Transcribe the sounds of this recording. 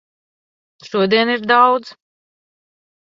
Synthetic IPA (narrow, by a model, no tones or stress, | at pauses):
ʃuɔd̪iɛniɾd̪awd̪z̥